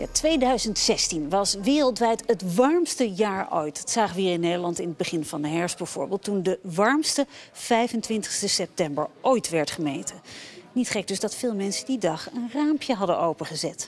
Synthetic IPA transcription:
ja̰tʋejdœɥzəntsɛstinʋɑsʋɪːrəlˠtʋɛjtətʋɑɹmstəjaːɹʔojtdɑtsaːχəʋɪːɹɪnːejdəlɑntɪnəd̚bəχɪnvɑndəɦɛɹsbɛv̥ʊːɹbɪːlˠtːundəʋɑɹmstəv̥ɛjvəntʋɪntə̥χstəsɛp̚tɛmbə̰ɹʔojtʋɛɹtχəmejtənitχɛɡ̚dɵzdɑtfɪːlˠmɛnsədidɑχənraːmpjəɦɑdəʔowpəχəzɛt

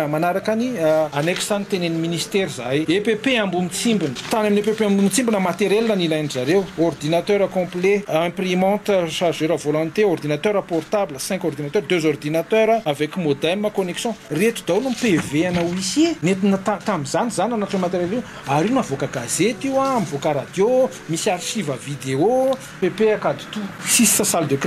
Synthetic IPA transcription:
manaɾakanianeksanit̪eneniminist̪eɾizajepepeambumit͡simbinə̥t̪anaminepepeambumit͡simbinəmat̪eɾelnənilajnizaɾeword̪inat̪øɾakɔ̃pleɛ̃primɑ̃t̪əʃazeɾavolɔ̃nt̪eord̪inat̪œɾapɔrt̪abləsɛ̃ŋkɔrd̪inat̪œrd̪øzord̪inat̪øɾaavɛkʲimod̪ɛməkoneksjɔ̃ret̪ud̪anumpeveanaisinet̪inət̪at̪amizanizananaʈ͡ʂanmat̪eɾele | aɾiwnavokəɡazet̪iwamivokəɾad̪jo | misiarʃivəvid̪eo | pepeakad̪u̥t̪usisi̥səsald̪ek

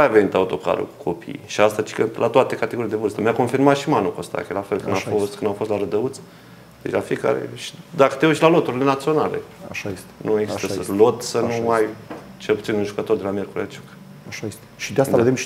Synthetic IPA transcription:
ajave̞nit̪aut̪o̞ka̰ɾə̰ku̥kʰo̞pʰḭjʃiast̪at͡ʃi̥kɨnlʔat̪oat̪e̞kat̪eɡo̞ɾileevɨrst̪əmʲjako̞nfirmat̪ʃimanukost̪a̰kʲelafe̞lkɨnd̪affost̪̚kɨnd̪afo̞st̪laɾəd̪əut̪s | d̪et͡ʃlafieka̰ɾḛʃi̥d̪akə̥t̪euʃtʲlalo̞t̪uɾile̞nat̪sio̞nale̞̰aʃasnʔueksit̪eəlo̞t̪sənuaj | t͡ʃe̞lput̪sinunʒukət̪o̞rd̪e̞lamjerkuɾiat͡ʃu̥k | aʃaest̪ʃid̪easaed̪em

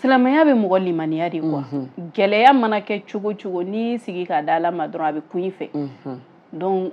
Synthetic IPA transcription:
silamajabɛmɔɡɔlimanijadekwaɡɛlɛjamanakɛt͡ʃoɡot͡ʃoɡonisiɡikadalamadɔɾɔ̃abɛkũjĩfɛ̰ | dɔ̃k

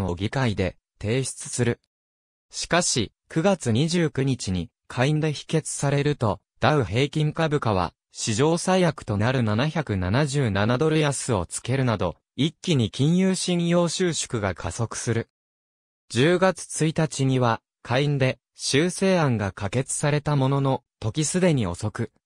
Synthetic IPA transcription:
o̞ɡʲikaid̪e̞̰ | t̪e̞ːɕi̥t͡sɨ̥sɨɾɯ̟ | ɕi̥kaɕi | kɯ̟ɡat͡sɨɲ̟iʑɨːkɯ̟ɲ̟it͡ɕiɲ̟i | kʰaĩnd̪e̞çi̥ke̞t͡sɨ̥saɾe̞ɾɯ̟t̪o̞ | d̪̥aɯ̟ɦe̞ːkʲĩŋkabɯ̟kaβ̞a̰ | ɕiʑo̞ːsaijakɯ̥t̪o̞naɾɯ̟nanaçakɯ̟nanaʑɨːnanad̪o̞ɾɯ̟jasɨo̞̰t͡sɨ̥ke̞ɾɯ̟nad̪o̞ | ikʲːiɲ̟ikʲĩɰ̃jɯːɕĩɰjo̞ːɕɨːɕo̥kɯ̟ɡakʰaso̞kɯ̟̥sɨɾɯ̟ | d͡ʑɨːɡat͡sɨ̥t͡sɨit̪at͡ɕiɲ̟iβa | kʰaind̪e̞ | ɕɨːse̞ːãŋɡakake̞t͡sɨ̥saɾe̞t̪amo̞no̞no̞t̪o̞kʲisɨd̪e̞ɲ̟io̞̰so̞kɯ̟

